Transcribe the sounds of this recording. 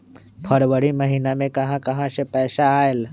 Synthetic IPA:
pʰəɾwəɽimɐɦiːnamẽkɐɦãkɐɦãsepɛːʃaaːel

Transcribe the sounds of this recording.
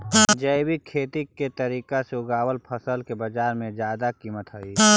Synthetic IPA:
d͡ʒəɪbikʰeːt̪ikːet̪əɾiːkaseʊɡaːwəlpʰəsəlkebəd͡ʒaːɾmẽd͡ʒjaːd̪akiːmət̪ɦoiː

